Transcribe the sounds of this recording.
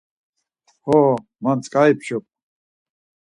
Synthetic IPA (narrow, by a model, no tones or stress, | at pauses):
hɔ | mant͡sʼkʼaipʰʃɔp̚ʼ